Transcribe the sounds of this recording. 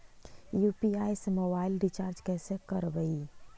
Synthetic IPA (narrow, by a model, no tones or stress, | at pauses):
juːpiaːjsmoːbaːɪlɾit͡ʃaːɾd͡ʒkɛːsekəɾbəi